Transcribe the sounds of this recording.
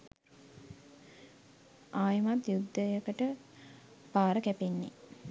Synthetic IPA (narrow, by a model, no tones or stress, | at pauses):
aːjəmat̪jud̪ʱːəjəkəʈə | paːɾəkæpenːḛ